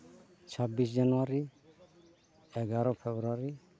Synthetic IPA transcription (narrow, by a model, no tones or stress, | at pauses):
t͡ʃʰɔbisd͡ʒanɔwaɾi | ɛɡaɾɔpʰɛbɾuaɾi